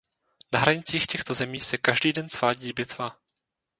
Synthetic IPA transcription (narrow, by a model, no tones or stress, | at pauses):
naɦɾaɲɪt͡siːxcɛxt̪o̞zɛmiːsɛkaʒdiːdɛnsv̥aːɟiːbɪt̪va